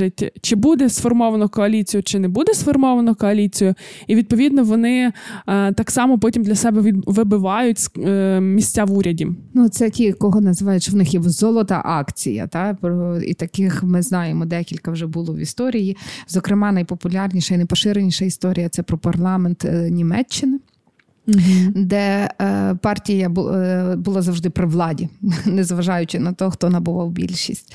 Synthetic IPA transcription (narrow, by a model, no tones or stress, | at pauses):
ɪtʲt͡ʃɪbud̪ɛsfɔrmɔʋɐnɔkɔɐlʲit͡sʲijʊt͡ʃɪnɛbud̪ɛsfɔrmɔʋɐnɔkɔɐlʲit͡sʲijʊiʋʲid̪̚pɔʋʲid̪nɔʋɔnɪ | t̪ɑksɑmɔpɔtʲimd̪lʲɐsɛbɛʋʲʋɪbɪʋɑjʊtʲsmʲisʲtʲːaʋuɾʲɐdʲinut̪sɛtʲikɔɦɔnɐzɪʋɑjʊt͡ʃɪʋnɪxjɛzɔlˠɔt̪ɐ̰ʔɑkt͡sʲijɐ̰t̪ɑpɾɔḭt̪ɐkɪxmɪznɑjemɔd̪ɛkʲilʲkɐwʒɛbʊlˠɔʋḭst̪ɔɾʲijizɔkɾɪmɑnɐjpɔpʊlʲɑrnʲiʃɐinɐjpɔʃɪɾenʲiʃɐist̪ɔɾʲijɐt̪sɛpɾɔpɐrlˠɑment̪nʲimɛt͡ʃːɪnɪ | d̪ɛ | pɑrtʲijɐbʊbʊlˠɑzɐwʒd̪ɪpɾɪʋlˠɑdʲinɛzʋɐʒɑjʊt͡ʃɪnɐt̪ɔxt̪ɔnɐbʊʋɑwbʲḭlʲʃisʲtʲ